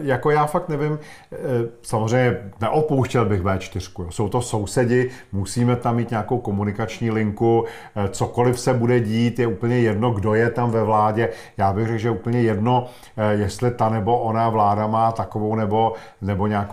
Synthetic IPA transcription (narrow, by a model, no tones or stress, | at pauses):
jako̞jaːfak̚t̪nɛvɪm | samozr̝ɛjɲɛnɛʔopowʃcɛlbɪxmɛːt͡ʃt̪ɪr̝̥kujoso̞wt̪o̞so̞wsɛɟɪmusiːmɛt̪amːiːt̪ɲaːko̞wko̞munɪkat͡ʃɲiːlɪŋku | t͡soko̞lɪfsɛbudɛɟiːt̪jɛuːpəɲɛjɛdno̞ɡdo̞jɛt̪amvɛvlaːɟɛ | jaːbɪɣrɛkʒɛjɛuːpl̩ɲɛjɛdno̞ | jɛst̪lɪt̪anɛbo̞ʔonavlaːdamaːt̪akovownɛbo̞ | nɛbo̞ɲaːk